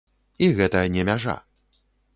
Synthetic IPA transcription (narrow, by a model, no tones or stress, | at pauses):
iɣɛt̪ɐjɐnʲɛmʲaʐa̰